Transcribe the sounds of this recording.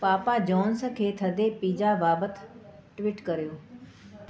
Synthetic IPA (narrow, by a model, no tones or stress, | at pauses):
paːpad͡ʒɔːnskʰeːt̪ʰɐd̪epiːd͡ʒabaːbət̪ʰ | ʈʋiːʈkɐɾijoː